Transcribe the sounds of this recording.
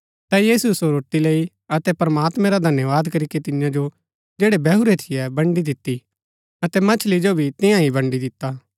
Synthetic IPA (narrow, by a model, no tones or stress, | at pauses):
t̪ɛjiːsusoɾoːʈːilei | ɐt̪ɛpɐɾɐmaːt̪mɛ̃ɾad̪ʱɐnjəʋaːd̪kɐɾiket̪ɪnjãd͡ʒo | d͡ʒeːɽebɛɦuɾet̪ʰɪjɛbɐ̃ɳɖid̪ɪt̪ːi | ɐt̪ɛmɐt͡ʃʰlid͡ʒobʱit̪ɪ̃jãibɐ̃ɳɖid̪ɪt̪ːaː